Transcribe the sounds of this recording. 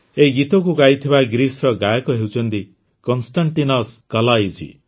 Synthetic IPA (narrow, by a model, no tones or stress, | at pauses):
eɡit̪ɔkukajt̪ʰibaɡɾisɾɔɡajɔkɔɦewt͡ʃʰɔnt̪i | kɔnsʈaɳʈinɔskalajd͡ʒḭ